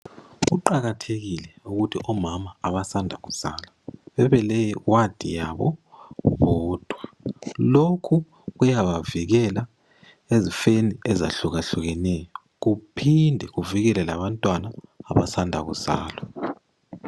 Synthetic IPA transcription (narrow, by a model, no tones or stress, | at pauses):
ɣ̬uǃaɣatʰeɣ̬ilɛuɣutʰiʔɔmamaːɓasandʱaɣuz̥aːlaɓɛβɛlɛwad̥ʱḭjaɓɔ̰βɔːd̥ʱwalokʰu | ɣujaɓaviɣ̬ɛla | ezifeniɛza̰ɬuɣ̬aɬuɣ̬ɛnɛjɔɔ | kupʰindʱɛɣuviɣɛlɛlaβantʼwanaːβasandʱa̰ɣ̬uz̥a̰ːlwa